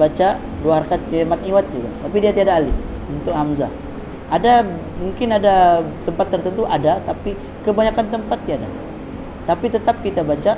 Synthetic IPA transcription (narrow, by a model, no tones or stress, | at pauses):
bat͡ʃa | duahaɾakat̪̚emat̪̚ɲiwat̪̚d͡ʒuɡa̰t̪apidiat̪iadaːli | unt̪ʊk̚ɦamza̰ | ada | muŋkɪnadat̪əmpat̪ːərt̪ənt̪uʔadat̪api | kəbaɲakant̪əmpat̪̚ːiada̰ | t̪apit̪ət̪ap̚kit̪abat͡ʃa